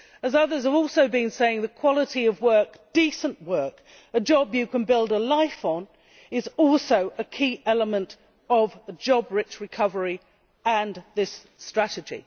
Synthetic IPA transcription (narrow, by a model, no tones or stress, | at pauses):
əzʌðə˞z̥əvɔˑlˠsoʊbɨ̃nseɪɪ̃ŋðəkʰw̥ɑlˠəɾiʌvwɜ˞k | d̥isə̃nʔwɜˑ˞k | əd͡ʒɒbjɨkə̃nbɪlˠdəlaɪfn̩ | ɪzɔˑlˠsoʊʔəkʰiʔɛlˠəmə̃nt | ʌvəd͡ʒɒbɹɪt͡ʃɹɨkʰʌvə˞i | ə̃nðɪs | tɹ̥æɾɨd͡ʒḭ